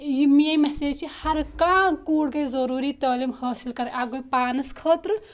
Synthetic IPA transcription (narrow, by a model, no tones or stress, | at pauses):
jimiejmeseːt͡ʃʰihɐɾkãːkuːɽkezɐɾuːɾit̪əːlimhɐːsilkɐɾeʔaɡopaːnɐskʰəːt̪ɾ